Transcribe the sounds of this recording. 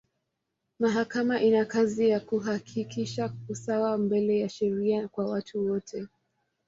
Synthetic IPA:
maɦakamaʔinakazijakuɦakʰikʰiʃausawambɛlɛjaʃɛɾiakwawatʰuwɔtʰɛ

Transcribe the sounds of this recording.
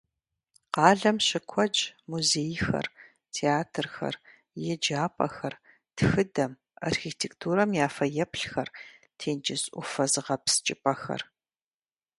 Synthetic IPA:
qɑːɮɐmɕɪkʷʰɔd͡ʒmuzeːjxɐ̰r | tʰeːaːtʰrxɐ̰r | jɛd͡ʒaːpʼɐ̰xɐr | txɨdɐm | a̰rxiːtʰektʰuːɾɐmjaːfɐjɛpɬxɐr | tʰeːnd͡ʒɪsʼʊ̰fɐzɨʁɐpst͡ʃʼɪpʼɐxɐ̰r

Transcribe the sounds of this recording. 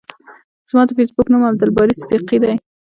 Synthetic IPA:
z̥mɑd̪əfesbʊknumab̚d̪albɑɾisɪd̪iqid̪aj

